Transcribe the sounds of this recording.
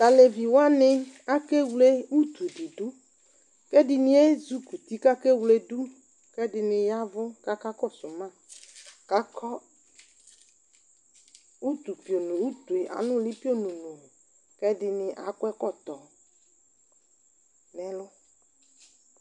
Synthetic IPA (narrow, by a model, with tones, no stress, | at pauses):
t̪a˨le˨vi˨wa˦nɪ˦a˦ke˦wle˦u˦t̪u˨di˨ɖu˦ | kɛ˦dɪ˨nɪ̃˦e˦zu˦ku˨t̪i˦ka˦ke˦wle˦du˦ | kɛ˦dɪ˨nɪ̃˨ja˦vʊ˦ka˦ka˦kɔ˦˨sʊ˨mã˦ | ka˦kɔ˦ | u˦t̪u˨pi˨o˨nũ˨u˦t̪u˨e˨ʔa̰˨nʊ̃˦li˦pi˦o˦nũ˨nũ˨ | kɛ˦dɪ˨nɪ̃˨ʔa̰˨kʷɛ˦kɔ˦t̪ɔ˨ | nɛ̃˨lʊ˦